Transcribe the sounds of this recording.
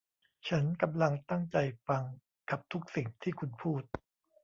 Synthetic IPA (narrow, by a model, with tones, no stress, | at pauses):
t͡ɕʰa˦˥nka˧mla˧ŋt̪a˥˩ŋt͡ɕa˧jfa˧ŋ | ka˨˩p̚t̪ʰu˦˥k̚si˨˩ŋt̪ʰiː˥˩kʰu˧npʰuː˥˩t̪̚